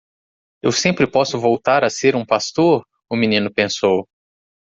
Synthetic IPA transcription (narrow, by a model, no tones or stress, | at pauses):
ewsẽmpɾɪpɔsʊvowt̪aɾɐseɾũpast̪oɾ | ʊminĩnʊpẽsow